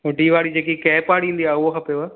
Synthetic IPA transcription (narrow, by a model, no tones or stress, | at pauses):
ɦʊɖiʋaːɽid͡ʑeːkikɛːpaːɽĩːnd̪iaːʊɦokʰɐpejoa